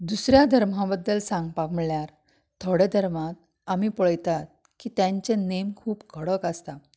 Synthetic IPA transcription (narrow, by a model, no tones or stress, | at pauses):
d̪usɾjad̪ʱəɾm̤ãbəd̪ːəlsãŋɡpakməɭjaɾ | t̪ʰoɽed̪ʱəɾmat̪̚ | amiːpəɭəjt̪at̪̚ | kiːt̪jãɲt͡ɕenemkʰuːpɡʱəɽəkast̪a